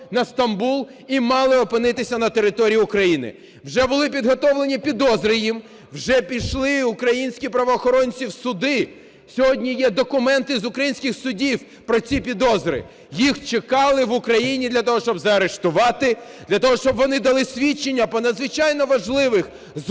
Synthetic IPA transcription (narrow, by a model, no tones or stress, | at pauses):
nɐst̪ɐmbulˠ | imɑlˠɪɔpɪnɪt̪ɪsʲɐnɐt̪eɾɪt̪ɔɾʲijiʊkɾɐjinɪ̰ | wʒɛbʊlˠɪpʲid̪ɦɔt̪ɔwlˠe̞nʲipʲid̪ɔzɾɪjim | wʒɛpʲijʃlˠɪʊkɾɐjinʲsʲkʲipɾɐʋɔːxɔɾɔnʲt͡sʲiwsʊd̪ɪ | sʲɔɦɔdʲnʲijɛd̪ɔkʊmɛnt̪ɪzʊkɾɐjinsʲkʲɪxsʊdʲiw | pɾɔt͡sʲipʲid̪ɔzɾɪ̰ | jixt͡ʃekɑlˠɪʋʊkɾɐjinʲid̪lʲɐt̪ɔɦɔʃt͡ʃɔbzɐɐɾeʃt̪ʊʋɑt̪ɪd̪̥lʲɐt̪ɔɦɔʃt͡ʃɔbʋɔnɪd̪ɐlˠɪsʲʋʲit͡ʃːenʲːɐpɔnɐd̪zʋɪt͡ʃɑjnɔʋɐʒlˠɪʋɪx | z